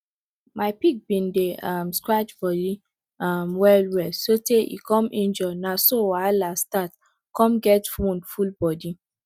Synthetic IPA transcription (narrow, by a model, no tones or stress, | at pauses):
maɪpik̚bĩndeamskɹat͡ʃbɔli | amwɛlwɛsoteʔḭkɔ̃mʔĩnd͡ʒɔnasowalastat | kɔ̃mɡɛtfũndfulbɔdi